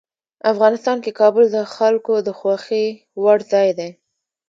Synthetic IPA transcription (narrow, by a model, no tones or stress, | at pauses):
afɣɑnɪst̪ɑnkekɑbʊld̪əxalkod̪əxwaxi | waɽzɑjd̪e